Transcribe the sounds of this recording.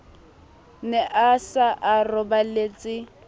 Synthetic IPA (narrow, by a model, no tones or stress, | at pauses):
nɛʔasaʔarʊbalet͡sʼɪ